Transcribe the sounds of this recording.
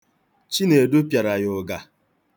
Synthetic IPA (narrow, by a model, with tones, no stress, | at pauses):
t͡ʃi˦ne˨do˦pja˨ɾa˨jʊ˨ɡa˨